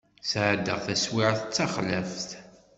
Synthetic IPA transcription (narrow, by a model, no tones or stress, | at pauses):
sʕəd̪əʁθæswiʕəθət͡sːɑχləfθ